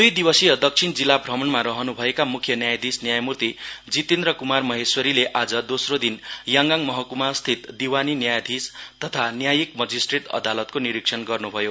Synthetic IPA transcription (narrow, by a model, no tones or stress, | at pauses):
d̪ujd̪ibʌsiʌd̪ʌk̚t͡sʰind͡zilːabʱrʌmʌnmaɾʌɦʌnubʱʌekamukʰjʌnjajd̪ʱisnjajmurt̪id͡zit̪end̪rʌkumarmʌɦeswʌɾileʔad͡zʌd̪osrod̪injaŋɡaŋmʌɦʌkumast̪ʰit̪d̪iwaninjajd̪ʱist̪ʌt̪ʰanjajikmʌd͡zisʈreʈʌ̰d̪alʌt̪koniɾiksʰʌnɡʌrnubʱʌjo